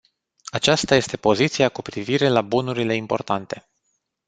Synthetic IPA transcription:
at͡ʃast̪aje̞st̪e̞po̞zit̪siakupɾiviɾe̞labunuɾile̞impo̞̰rt̪ant̪e̞

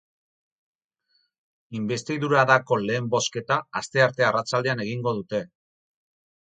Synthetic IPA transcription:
imbe̞st̪iðuɾaðako̞le̞ːmbo̞ske̞t̪aːst̪e̞aɾt̪e̞arat͡sald̪e̞ane̞ɣ̞iŋɡo̞ðut̪e̞

